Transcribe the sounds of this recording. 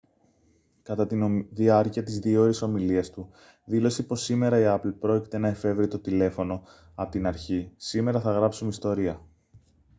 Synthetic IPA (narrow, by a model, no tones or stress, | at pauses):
kɐt̪ɐt̪inoðiɐɾciɐt̪izðio̞ɾiso̞miliɐst̪u | ðilo̞sipo̞sime̞ɾɐiɐplpɾo̞ci̥t̪e̞nɐe̞fe̞vɾit̪o̞t̪ile̞fo̞no̞ | ɐpot̪inɐɾçisime̞ɾɐθɐɣɾɐpsumeist̪o̞ɾiɐ